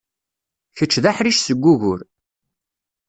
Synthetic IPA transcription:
çət͡ʃːðaħɾiʃsəɡʷːuʝʊɾ

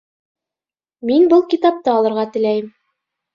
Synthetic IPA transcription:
minbɤlˠkʲit̪ɑp̚t̪ɤɑlˠɤ̆ɾʁɑt̪ɘ̆læjɘm

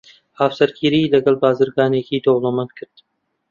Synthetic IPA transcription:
haːfsɐɾkʰiːɾiːlɐɡɐlˠbaːzɨɾɡaːneːkiːd̪owlˠomɐnt̪̚kʰɨɾd̪̥

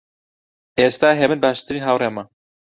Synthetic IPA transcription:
eːst̪aːɦɛbɨnbaːʃt̪ɨɾiːnɦawrema

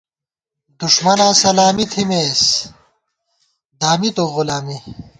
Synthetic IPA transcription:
d̪uʂmɐnãːsɐlaːmit̪ʰimeːs | d̪aːmit̪oʁulaːmi

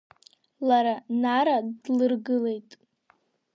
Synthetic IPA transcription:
laɾanaɾadlɨrɡɨle̞jtʼ

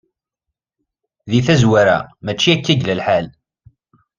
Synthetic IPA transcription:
ðiθæzwæɾa̰mæt͡ʃːiækːæʝləlħal

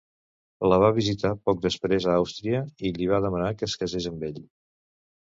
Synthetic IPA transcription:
ləβ̞aβizit̪apɔk̚d̪əspɾezəawst̪ɾiəiliβ̞aðəmənakəskəzezəmbeʎ

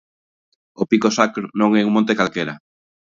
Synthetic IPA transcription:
opikosakɾonõŋɛuŋmõnt̪ekalkeɾɐ

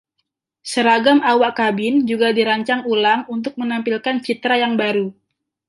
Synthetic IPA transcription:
səɾaɡamawaʔkabɪnd͡ʒuɡadiɾaɲt͡ʃaŋulaŋunt̪̬ʊk̚mənampilkant͡ʃit̪ɾajaŋbaɾu

